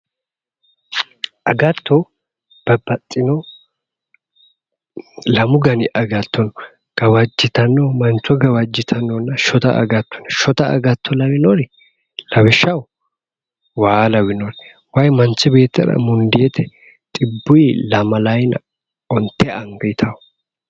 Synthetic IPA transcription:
ʔɐɡɐt̪ːɔ | b̥ɐbɐt̪ʼːɪnɔ | lɐmʊɡɐnɪʔɐɡɐt̪ːɔnɔ | ɡ̥ɐwɐd͡ʒːɪt̪ɐnːɔmɐnt͡ʃːɔɡɐwɐd͡ʒːɪt̪ʰɐnːɔnːɐʃɔt̪ɐʔɐ̰ɡɐt̪ːɔ̥nʃɔt̪ɐʔɐ̰ɡɐt̪ʰːɔlɐwɪnɔɾɛ | lɐwɪʃːɐw | waːlɐwɪnɔɾɛ | wɐjmɐnt͡sːɪbe̞ːt̪ːɐ̰ɾɐ̰mʊnd̪ɪet̪ʰɛ | t̪ʼɪbːʊjlɐmɐlɐjnɐ̰ | ɔnt̪ːɛɐŋɡɐt̪ʰɐw

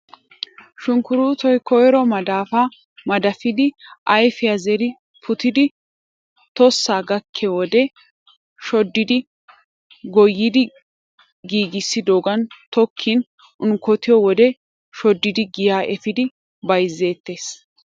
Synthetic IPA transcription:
ʃʊŋkʊɾuːt̪ɔjkɔjɾɔmɐd̪aːfa | mɐd̪ɐfɪd̪ɪʔɐjfɪjɐzɛɾɪ | pʰʊt̪ɪd̪ɪ | t̪ɔsːaːɡɐkʰːɛwɔd̪ɛ | ʃɔd̪ːɪd̪ɪ | ɡɔjːɪd̪ɪ | ɡiːɡɪsːɪd̪oːɡɐnt̪ɔkʰːin | ʊnkɔt̪ɪjɔwɔd̪ɛ | ʃɔd̪ːɪd̪ɪɡɪjaːʔɛfɪd̪ɪ | bɐjzːe̞ːt̪ːe̞ːs

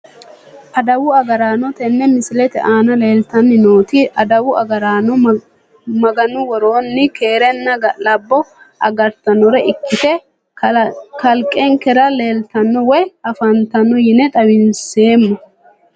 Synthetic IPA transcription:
ʔɐd̪ɐwʊɐɡɐɾaːnɔt̪ɛnːɛmɪsɪlɛt̪ɛ̰ʔaːnɐle̞ːlt̪ɐnːɪno̞ːt̪iʔɐd̪ɐwʊʔɐ̰ɡɐɾaːnɔ | mɐɡɐnʊwɔɾoːnːɪke̞ːɾɛnːɐɡɐlɐbːɔ | ʔɐ̰ɡɐɾt̪ɐnɔɾɛɪkːɪt̪ɛ | kɐlkʼːeŋkɛɾɐle̞ːlt̪ɐnːɔwɔjɐfɐnt̪ɐnːɔjɪnɛt̪ʼɐwɪnse̞ːmːɐ

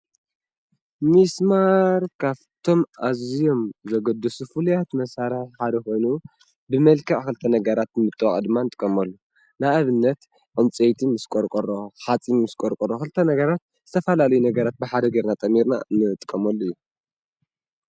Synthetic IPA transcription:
mismaɾkʰaβt̪ʰo̞mʔazijo̞mzɐɡɐd̪ɨsufulujat̪mɐsaɾɨħħad̪ɐxo̞jnu | bɨmɐlkʰɐʕxɨlt̪ʰɐnɐɡɐɾat̪nmɨt̪ʼːɨwɐχʼɐd̪ɨmːanɨt̪ʼɨ̥kʼːɐmɐlːu | naaβɨnːɐt̪ | ʕɨmt͡sʼejt̪ʰimɨskʼoɾkʼɐɾoħat͡sʼinmɨskʼoɾkʼɐɾoxɨlt̪ʰɐnɐɡɐɾat̪ | z̥ɨt̪ʰɐfɐlalɐjunɐɡɐɾat̪̚bɨħad̪ɐɡeɾnat̪ʼɐmːiɾna̰nɨt̪ʼɨ̥kʼːɐmɐlːuɨjːu

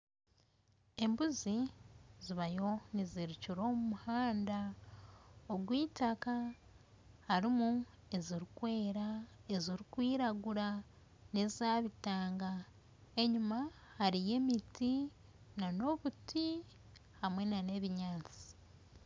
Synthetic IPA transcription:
e̞mbuziziβajo̞niziɾiciɾo̞ːmumuhaːnda | oɡwiːtaka | haɾimu | e̞ziɾikwe̞ːɾae̞ziɾikwiːɾaɡuɾa | ne̞zaːβitaːŋɡa | e̞ɲuma | haɾije̞ːmiti | nano̞βuti | hamwe̞nane̞βiɲaːt͡si̥

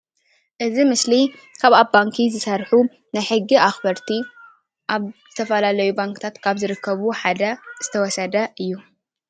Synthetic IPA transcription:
ʔɨzimɨsli | kʰaβabaŋkʰizɨsɐɾħu | najħɨɡːiʔaxbɐɾt̪ʰi | ʔaβzɨt̪ʰɐfɐlalɐjubaŋkɨt̪ʰat̪kʰaβzɨɾɨkʰːɐβuħad̪ɐz̥ɨt̪ʰɐwɔsɐd̪ɐʔɨjːu

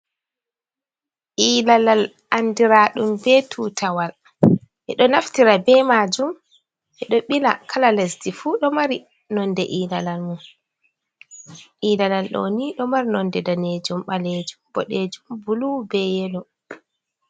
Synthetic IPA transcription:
ʔiːlalal | ʔandiɾaːɗumbɛtʰuːtʰawal | ʔɛɗɔnaftiɾabɛmaːd͡ʒum | ʔɛɗɔɓila̰kʰalalɛsdifuɗɔmaɾi | nɔndɛʔiːlalalmun | ʔiːlalalɗo̰ːniɗɔmaɾinɔndɛdaned͡ʒumɓaleːd͡ʒumb̥ɔɗeːd͡ʒumbulubɛjɛlɔ

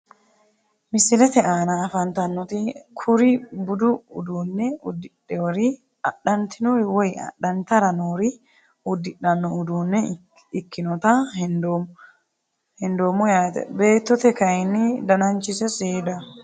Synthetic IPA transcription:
mɪsɪlɛt̪ɛaːnɐːfɐnt̪ɐnːɔt̪ɪkʰʊɾɪbʊd̪ʊʊ̰d̪uːnːɛʊd̪ːɪɗːɛwɔɾɪ | ɐɗɐnt̪ʰɪnɔɾwɔjɐ̰ɗɐnt̪ɐɾɐnoːɾɪ | ʊd̪ːɪᶑɐnːɔʊd̪uːnːɛ | ɪkːɪnɔt̪ɐhndo | hɛnd̪oːmɔjaːt̪ɛ̰be̞ːt̪ːɔt̪ɛkɐjɪnːɪd̪ɐnɐnt͡ʃɪsɛseːd̪ɐ

